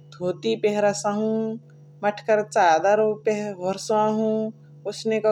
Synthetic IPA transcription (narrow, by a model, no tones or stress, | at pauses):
d̪ʱoːt̪ipeɦɾɐsaɦũ | mɐʈʰkɐɾt͡ʃaːd̪aɾpeʋɐɾsãɦũː | ʊsnekɐ